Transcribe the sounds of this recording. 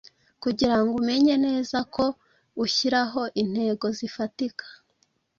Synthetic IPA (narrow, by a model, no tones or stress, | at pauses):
kuɟiɾaŋɡume̞ɲe̞ne̞ːzakʰo̞ | uçiɾaɦo̞ʔin̥he̞ɡo̞zifatikʰḁ